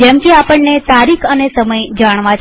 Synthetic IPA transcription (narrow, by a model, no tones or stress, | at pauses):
d͡ʒɛmkeapəɳːet̪aɾikʰənesəməjd͡ʒaɳ̃ʋãt͡ʃ